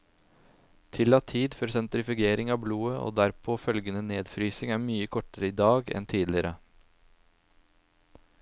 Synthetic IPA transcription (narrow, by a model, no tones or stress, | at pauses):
t̪ʰɪlɑt̪ʰiːd̪fɔɾsɛnt̪ɾɪfɪɡeːɾɪŋɑːbluːəʔo̰ːd̪æɾpʰoːfœlɡənəneːd̪fɾyːsɪŋæːɾmyːəkʰɔʈəɾəiːd̪ɑːɡɛ̰nt̪ʰiːd̪lɪɾʔə